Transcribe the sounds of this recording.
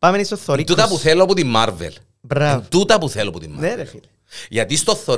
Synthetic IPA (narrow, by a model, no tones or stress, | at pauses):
pamenist̪oθːoɾit̪ut̪ɐpuθeloɐpot̪imːaɾvḛl | bɾavt̪ut̪ɐpuθeloɐpɔt̪imːneɾefil | ʝɐt̪ist̪oθːo